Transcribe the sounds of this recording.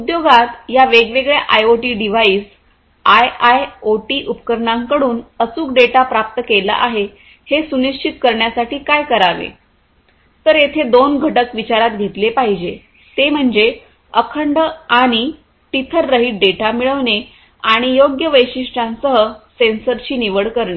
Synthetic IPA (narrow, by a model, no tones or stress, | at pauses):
ud̪joɡat̪jaʋeɡʋeɡɭja̰ʔajoʈiːɖiʋaiːs | ajajoʈiːʔupəkəɾɳãŋkəɽuːnət͡suːk̚ɖeʈapɾap̚t̪əkela̰ʔaɦe | hesuniʂt͡ɕʰit̪kəɾɳjasaʈiːkajkəɾaʋḛ | t̪əɾjet̪ʰed̪onɡʱəʈəkʋit͡ɕaɾat̪̚ɡʱet̪lepaɦid͡ʑe | t̪em̤əɳd͡ze | əkʰəɳɖəaɽ̃i | ʈit̪ʰəɾːəɦiːʈ̚ɖeʈamiɭəʋne | aɽ̃ijoɡjəʋəjɕiʂʈʰãnsəɦəsensəɾt͡ɕiːniʋəɽkəɾɳe